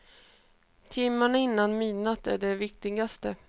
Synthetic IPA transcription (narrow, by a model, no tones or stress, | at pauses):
t̪ʰɪmːaɳaɪnːanmiːnat̪æ̰ɖɛvɪkt̪ɪɡast̪ə